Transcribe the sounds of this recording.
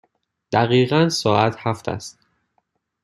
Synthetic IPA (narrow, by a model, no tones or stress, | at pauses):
d̪̥æɣiːɣænsɒːæt̪ʰhæft̪ʰæ̰st̪̚